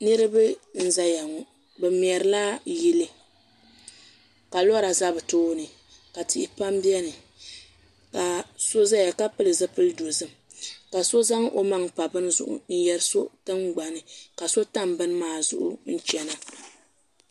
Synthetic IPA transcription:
nɨ˦ɾɨ˦bɨ˦n̩˦za˦ja˨ŋɔ˨ | bɛ˨m˨ɛ˨ɾɨ˨la˦ji˦lɨ˦ | ka˨lɔ˦ɾa˨za˦bɨ˨toː˦nɨ˨ | ka˨ti˦˨ʔɪ˨pa˦mbi˦ɛ˦nɨ˨ | ka˨so˦za˦ja˨ka˦pɨ˦lɨ˨zɨ˦pɨ˦lɨ˦do˨zɨ˦m | ka˨so˦za˦ŋ˦ʔo˦ma˨ŋpa˨bɨ˦n˦zʊ̰˦ʔʊ̰˦˨n̩˦jɛ˨ɾɨ˦so˦tɨ˦ŋɡ͡ba˨nɨ˨ka˨so˦ta˦m˨bɨ˦n˦maː˦˨zʊ̰˦ʔʊ̰˦n̩˦t͡ʃɛ˨na˨

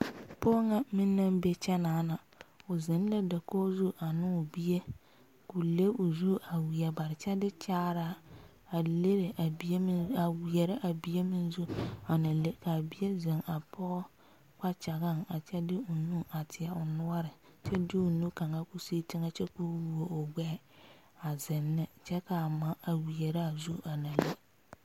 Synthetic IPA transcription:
pɔ˦ŋa˦mɪ˦nːa˦m˦be˦t͡ʃɛ˦naː˨˦na˨ | ʊ˨zɪ˨n˦lɛ˦da˨kɔː˦zu˦ʔa˨nɪ˦ʊ˨bi˦je˦ | kʊ˨le˦ʊ˨zu˦a˨wi˨ɛ˨ba˨ɾɪ˨t͡ʃɛ˦dɪ˦t͡ʃaː˦ɾa˦ | a˨le˦ɾe˨ʔa˨bi˦e˦m˦a˨wi˨ɛ˨ɾɪ˦ʔa˨bi˨e˦mɪ˦nzu˦a˨na˨le˦ka˨bɪ˦ɛ˦ze˨ŋa˨pʰɔ˦ | ka˦t͡ʃa˨ɣa˦˨ŋa˨t͡ʃɛ˦dɪ˦ʊ˨nu˦a˨tʰɪ˨a˨ʊ˨nʊ˦ɔ˦ɾɪ˨t͡ʃɛ˦dɪ˦ʊ˨nu˦ka˨ŋa˦ku˦si˦tɪ˦ŋa˦t͡ʃɛ˦ku˦wu˨o˨ʊ˨ɡ͡bɛ˦ | a˨zɪ˨nːɪ˦t͡ʃɛ˦ka˨ma˦ʔa˨wi˨ɛ˨ɾɪ˦a˨zu˦a˨na˨le˦

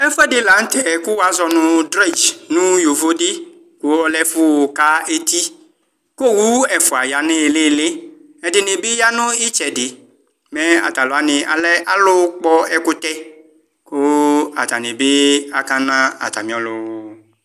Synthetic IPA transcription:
ɛ˦fɛ˦dɪ˦la˨˦n̩˦t̪ɛ˨kʊ˦wa˦zɔ˨nʊ̃˨dɾe˦˨d͡ʒnũ˦jo˨vo˦dɪ˦ | kʊ˦ɔ˦lɛ˦fʊ˦˨ka˦e˦t̪i˦ | ko˦˨wu˦ɛ˨fʊ˨a˨ja˨nɪ˦˨lɪ˦˨lɪ˦ | ɛ˨dɪ˨nɪ˨bɪ˦ja˦nʊ̃˦ɪ˦t͡ʃɛ˨dɪ˨ | mɛ˦a̰˨t̪a˨lɔ˨a˨nɪ˨a̰˨lɛ˦ʔa˦lʊ˦k͡pɔ˦ɛ˦kʊ˦t̪ɛ˦ | kʊ˦a̰˨t̪a˨nɪ˨bɪ˦a˨ka˦nã˦a̰˨t̪a̰˨mĩ˨˦ɔ˦lʊ˨˦w

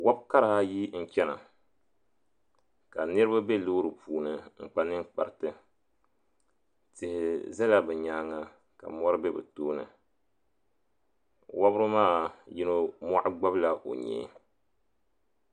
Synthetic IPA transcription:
wa˦bka˦ɾa˨ha˦ji˦n̩˦t͡ʃɛ˦na̰˨ | ka˨nɨ˦ɾɨ˦ba˦be˦lo˦ɾɨ˨pʰuː˨nɨ˨ŋ͡m̩˨k͡pa˦nɨ˦ŋk͡pa˨ɾtɨ˦ | tɪ˨hɪ˨zɛ˦la˦bɛ˨ɲaː˦ŋa˦ | ka̰˨mɔ˦ɾɨ˦bɛ˦bɛ̰˨toː˦nɨ̰˨ | wa˦bɾɨ˦maː˦˨ji˦no˦mɔ˦ʔʊ˦ɡ͡ba˦bla˦ʔo̰˨ɲɛ̰ː˦˨

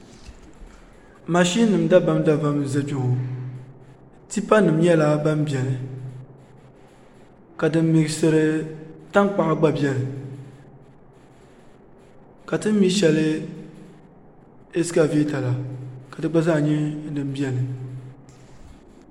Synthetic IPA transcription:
ma˨ʃi˦nɨ˨m˦da˦ba˦mda˦va˦m˨za˨d͡ʒu˦ŋo˨ | ti˦pa˦nɨ˨m˦ɲɛ˦la˦ba˦mbi˨ɛ˨nɨ˨ | ka˨dɨ˦m̩˦mi˨ɡsɨ˨ɾɨ˨ta˦ŋk͡pa˦˨ʔa˦ɡ͡ba˦bjɛ˨nɨ˨ | ka˨tɨ˦m˦mi˦ʃɛ˨lɨ˦ | e˦ska˦veː˦ta˨la˨ka˨dɨ˦ɡ͡ba˦za˦˨ɲɛ˦nɨ˨m˦bi˦ɛ˨nɨ˨

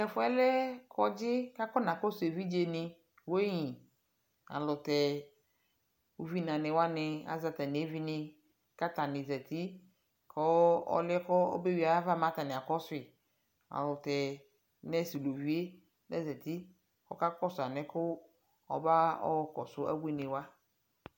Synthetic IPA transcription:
ɛ˨fʊ˦ɛ˦lɛ˦kʰɔ˦d͡ʒɪ˦ka˦kɔ˦nã˨kɔ˦sʊ˨e˨vi˦d͡ʒe˨nɪ̃˨ | wo˦e˦ɲĩ˨ | a̰˨lʊ˨t̪ɛ˨ | o˦vi˦nã˨nɪ̃˨wa˦nɪ̃˨a̰˨za˨t̪ɛ˨nɪ˨e˦vi˦nɪ˨ | ka˦t̪a˨nɪ̃˨zɛ˨t̪i˦ | kʰɔ˦ɔ̰˦lɪ˦kɔ˦o̰˦be˦wi˨˦a˨˦va˦˨mã˦t̪a˨nɪ˨a˨kɔ˦sʊ˦ɪ˨ | a̰˨lʊ˨tɛ˨ | nɛ˦si˨lo˨vi˦e˦ | nɛ̰˦zɛ˨t̪i˦ | kɔ̰˦ka˦kɔ˦sʊ˨a˨nɛ˦kʊ˦ | ɔ̰˨ba˦ɔ̰˦ɔ˨kɔ˨sʊ˦ʔa̰˦bu˦i˦nɪ̃˨wa˦

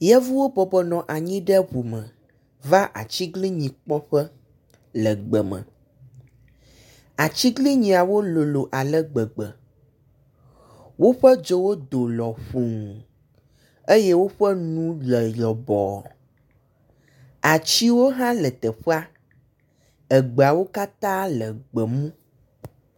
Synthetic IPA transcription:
jɛ˦vu˦wo˦bɔ˨bɔ˨nɔ̃˨ʔa˨ɲĩ˦ɖɛ˦ɸu˨mə̃˨ | va˦ʔa̰˨t͡ɕi˦ɡli˦ɲĩ˨k͡pɔ˦ɸɛ˦ | lə˨ɡ͡bə˨mə̰̃˨ | a˨t͡ɕi˦ɡli˦ɲĩ˨a˨wo˦lo˨lo˨ʔa˨lɛ˦ɡ͡bə˨ɡ͡bə˨ | wo˦ɸɛ˦d͡ʒo˦wo˦d̪o˨lɔ˨ɸu˨ŋ˨ | e˦je˦wo˦ɸɛ˦nũ˦lə˨jɔ˨bɔ˨ | a˨t͡ɕi˦wo˦ɦã˦lə˨t̪ɛ˨ɸə˦a˦ | ə˨ɡ͡be˨a˨wo˦ka˦t̪ã˦lə˨ɡ͡bə˨mũ˦

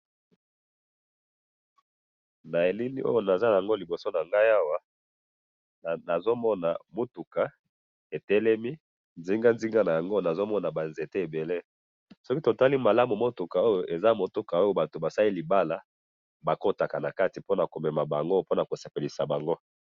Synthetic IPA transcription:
na˨e˨li˦ni˦ʔo̰˦jo˦˨na˨za˦a˨ja˨ŋɡo˦li˨bo˨so˦na˨ŋɡa˦ja˦wa˦˨ | na˨zo˦mɔ˦na˨mo˦tu˨ka˨ | e˨tɛ˦lɛ˦mi˦ | nzi˦ŋɡa˦nzi˦ŋɡa˦na˨ja˨ŋɡo˦˨na˨zo˦mɔ˦na˨ba˨nze˨te˦e˨be˨le˦ | sɔ˦ki˦to˨ta˦li˦ma˨la˦mu˨mo˦tu˨ka˨o˦jo˨ʔe˨za˦mo˨to˦ka˨o˦jo˦ba˨to˨ba˨sa˦li˦li˨ba˦la˨ | ba˨ko˦ta˨ka˨na˨ka˦ti˨po˦na˨ko˨mɛ˨ma˨ba˨ŋɡo˦po˦na˨ko˨se˨pe˨li˨sa˨ba˨ŋɡo˦

